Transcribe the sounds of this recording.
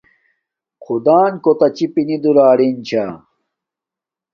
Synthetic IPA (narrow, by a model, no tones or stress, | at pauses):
qʰud̪aːnkot̪ɐt͡ɕipinid̪uɾaːɽint͡ɕʰa